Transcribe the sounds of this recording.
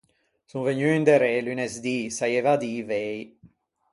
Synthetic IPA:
sunveɲyind̪eɾɛlynɛzd̪isajevad̪ivej

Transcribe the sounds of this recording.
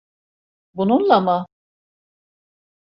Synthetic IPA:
bununlˠama

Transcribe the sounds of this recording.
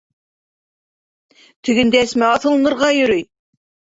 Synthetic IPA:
t̪ʰɵ̆ɡɘ̆nd̪ææsmæɑθɤ̆lˠɤ̆nɤ̆ɾʁɑjɵ̆ɾɵj

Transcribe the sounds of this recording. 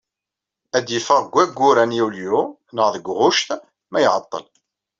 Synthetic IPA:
æd̪jəfəʁɡʷːæɡːʊɾænjiwlju | nəʁðəɡʷʁʊʃt̪ | mæjʕət̪ˤːə̰l

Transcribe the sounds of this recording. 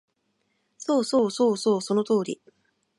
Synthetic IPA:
so̞ːso̞ːsoːsoːso̞not̪o̞ːɾʲḭ

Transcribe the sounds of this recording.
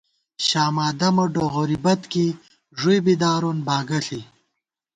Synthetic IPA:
ɕaːmaːd̪ɐmɐɖoɣoɾibɐt̪ki | ʐujbid̪aːɾonbaːɡɐɬi

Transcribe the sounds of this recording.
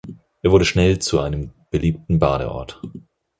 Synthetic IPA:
ʔeːɐvʊɐdəʃnɛlt͡suʔaɪnəmb̥əliːp̚tn̩baːɾə̰ʔɔ̰ɐt

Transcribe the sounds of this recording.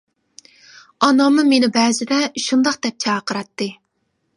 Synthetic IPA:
ɑnɑmɨmenɪbɛːzɪd̪ɛʃund̪ɑq̚d̪̥ɛp̚t͡ʃʰɑːqʰəɾɑt̪ːɨ

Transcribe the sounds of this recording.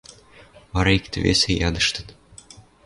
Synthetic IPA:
βɑɾɑikt̪ɘ̆vʲḛsʲejɑd̪ɤ̆ʃt̪ɤ̥̆t̪

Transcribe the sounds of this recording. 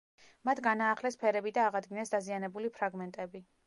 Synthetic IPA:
mat̪ʰɡanaːχlɛspʰɛɾɛbid̪aːʁad̪ɡinɛsd̪azianɛbulipʰɾaɡmɛnt̪ʼɛbi

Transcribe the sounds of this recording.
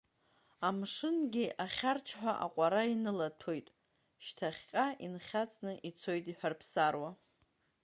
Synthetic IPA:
amʂɨnɡʲɪʔaχʲart͡ʃʰħʷᶣaʔa̰qʷʼaɾainɨlatʰo̞jtʼ | ʃtʰaχʲqʲʼaʔinχʲat͡sʼnɨʔit͡sʰo̞jtʼiħʷᶣarpʰsarwa

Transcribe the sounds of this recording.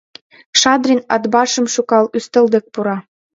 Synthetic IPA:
kʃɑd̪rʲinɑd̪bɑʃə̆mʃukɑlyst̪ə̆ld̪ə̆k̚puɾɑ

